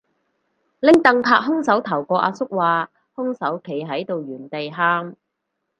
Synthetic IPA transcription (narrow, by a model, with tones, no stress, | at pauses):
lɪ˥ŋt̪ɐ˨ŋp̪ʰaː˧k̚ɦʊ˥ŋsɐ˨˥wt̪ʰɐ˨˩wkɔː˧ʔa̰ː˧sʊ˥k̚waː˨˧ | hʊ˥ŋsɐ˨˥wkʰe˨˩jɦɐ˨˥jt̪o˨wjyː˨˩nt̪e˨jɦaː˥m